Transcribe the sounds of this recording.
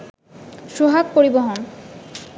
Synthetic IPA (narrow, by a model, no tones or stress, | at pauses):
ʃuɦak̚poɾiboɦon